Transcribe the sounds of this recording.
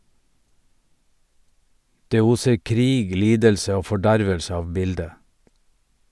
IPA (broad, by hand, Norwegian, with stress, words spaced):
ˈdeː ˈuːsəɾ ˈkɾiːɡ ˈliːdəlsə ˈoː fɔˈɖæɾʋəlsə ˈɑːʋ ˈbɪldə